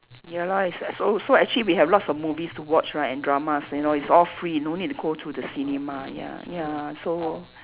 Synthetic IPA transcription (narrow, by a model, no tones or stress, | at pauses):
jalaissosoɛk̚t͡ʃuəliwiɦɛvlɔtsɔfmuvistuwɔt͡ʃɹaɪtɛ̃ndɹamasjunoitsɔlfɹinõnit̚tuɡotʰudəsinemaja̰jaso